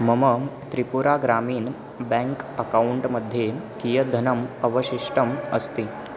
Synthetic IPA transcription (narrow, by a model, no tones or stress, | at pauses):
mɐmət̪ɾipuɾaɡɾamiːn | bɛ̃ŋkɐkauɳʈməd̪ʱːjekijəd̪ʱənɐmɐʋəɕiʂʈəmɐst̪i